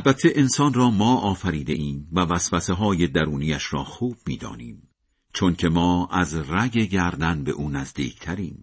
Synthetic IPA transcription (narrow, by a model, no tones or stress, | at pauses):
ælbæt̪ʰːeʔensɒːnrɒːmɒːʔɒːfæɾiːd̪e̞̰ʔiːmvævæsfæseɦɒːje̞d̪æɾuːnijæʃɾɒ̰ːxuːb̥miːd̪ɒ̰ːniːm | t͡ʃʰoncʰe̞mɒːæzræɡe̞ɟæɾd̪ænbe̞̰ʔuːnæzd̪iːcʰt̪ʰæɾiːm